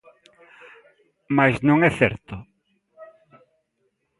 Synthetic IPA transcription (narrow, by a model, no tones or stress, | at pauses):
majznõŋɛθɛɾt̪ʊ